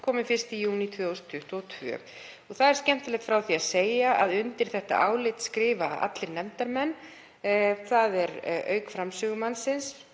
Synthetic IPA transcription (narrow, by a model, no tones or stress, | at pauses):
kʰɔːmɪfɪr̥st̪ijuːnit̪ʰvʏowst̪ʰʏht̪ɔɣt̪ʰvœ̰ː | ɔɣθaðɛɾ̥scɛm̥t̪ɪlɛt̪fɾawθiaðseːjaaðʏnt̪ɪɾ̥θɛht̪a̰ʔaːwlɪt̪skɾɪːva̰a̰t̪lɪɾnɛmt̪aɾmɛnː | θaðɛɾœ̰ːɥkfɾamsʏːɣʏmansɪns